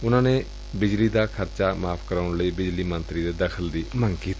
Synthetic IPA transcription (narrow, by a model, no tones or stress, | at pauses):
ʊnãːneː | bɪd͡ʒliːd̪aːkʰəɾt͡ʃaːmaːpʰkəɾaːʊɳləiːbɪd͡ʒliːmə̃nt̪ɾiːd̪eːd̪əkʰəld̪iːməŋɡkiːt̪i̥ː